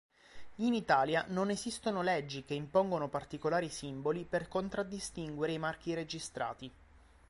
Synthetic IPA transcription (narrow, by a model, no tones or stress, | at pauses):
init̪aːljanonezist̪onolɛd͡ʒːikeimpoŋɡonopart̪ikolaːɾisimboliperkont̪ɾad̪ːist̪iŋɡweɾeimark̟iɾed͡ʒist̪ɾa̰ːt̪i